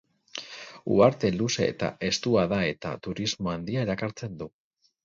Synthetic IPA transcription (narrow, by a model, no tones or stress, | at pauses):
ṵaɾt̪e̞luse̞̰ːt̪a̰ʔe̞st̪uaðae̞t̪a̰t̪uɾizmo̞and̪iaeɾakaɾt͡se̞nd̪u